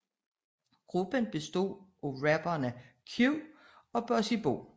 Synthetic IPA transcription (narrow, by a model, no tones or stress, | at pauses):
ɡ̥ʁub̥ənb̥e̝sd̥o̝̰ːoʁæb̥ɐnə | kʰju | ɒ̽b̥ɒsib̥o̝̰ː